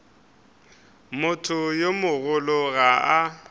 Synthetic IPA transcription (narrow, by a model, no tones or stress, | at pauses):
mʊtʰʊjomʊɣʊlʊɣaa